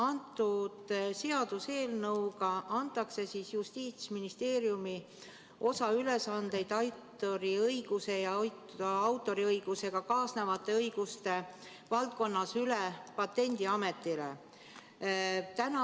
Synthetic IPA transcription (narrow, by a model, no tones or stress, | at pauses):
ɑnt̪ˑːud̪̥se̞ɑd̪̥use̞ːlnɤwɡ̥ɑʔɑnt̪ːˑɑkse̞sisjust̪iːt̪sminist̪e̞ːɾjumi | ʔo̞sɑyle̞sɑnd̪̥e̞jd̪ɑjt̪ːˑoɾiɤjɡ̥use̞jɑjt̪ɑɑwt̪ːˑo̞ɾiɤjɡ̥use̞ɡ̥ɑkɑːsnevɑt̪ːˑe̞ɤjɡ̥ust̪e̞ | vɑlt̪̚ko̞nːɑsylepɑt̪ːe̞nʲd̪̥iɑme̞t̪ːˑile̞̰ | t̪ænɑ